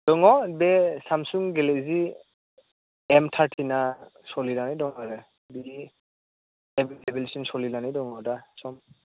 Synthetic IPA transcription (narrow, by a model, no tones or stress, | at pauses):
d̥ɔŋɔbɛsamsuŋɡɛlɛzi | ɛmtʰaɹtʰinasɔlilanidɔŋɔɾɛ | bi | ɛblɛbɛlsunsɔlilanidɔŋɔdasɔm